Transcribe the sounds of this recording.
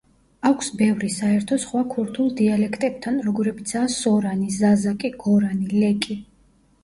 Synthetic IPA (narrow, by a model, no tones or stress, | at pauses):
akʷʰsbɛvɾisaɛɾt̪ʰɔsχwakʰuɾt̪ʰulˠd̪ialɛkʰt̪ʼɛb̥̚t̪ʰanɾɔɡɔɾɛbit̪sʰaːsɔɾanizazakʼiɡ̥ɔɾanilɛkʼi